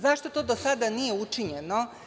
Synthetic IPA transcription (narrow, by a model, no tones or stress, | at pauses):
zaʃt̪o̞t̪o̞ːd̪osad̪anije̞ut͡ʂiɲeno̞